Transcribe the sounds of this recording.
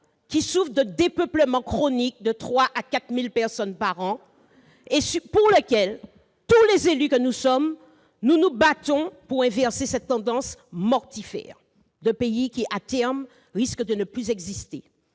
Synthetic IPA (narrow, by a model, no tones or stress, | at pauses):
kʲisufd̪əd̪epœpləmɑ̃kχonik̚d̪ət̪χwaʔakat̪milpɛʁsɔnpaʁɑ̃ | esypuʁləkʲɛl | t̪ulezelykənusɔm | nunubat̪ɔ̃puʁɛ̃vɛʁsesɛt̪ːɑ̃d̪ɑ̃smɔʁt̪ifɛ̰ːʁ | d̪əpeikʲiʔat̪ɛʁm | ʁiskd̪ənəplyzɛɡzist̪ḛ